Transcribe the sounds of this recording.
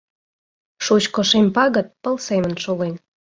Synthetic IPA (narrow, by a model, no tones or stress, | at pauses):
ʃut͡ɕkoʃemʲpɑɣə̆t̪̚pə̆lsemənʃolen